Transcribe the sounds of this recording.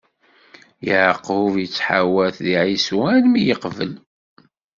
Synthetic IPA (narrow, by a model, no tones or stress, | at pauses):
jəʕəqːuvjət͡sːħawæθðiʕiswænmijəqvə̰l